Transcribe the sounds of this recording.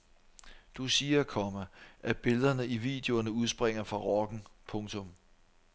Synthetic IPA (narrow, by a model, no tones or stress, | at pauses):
d̥usiːɐkʰɒ̽mæʔæb̥e̝ləðˠɐnəʔiʋḭd̥e̝o̝ɐnəuð̞ˠsb̥ʁeŋ̰ɐfʁɑ̈ʁɒɡ̥n̩pʰɔ̽ŋt͡sʰɔ̽m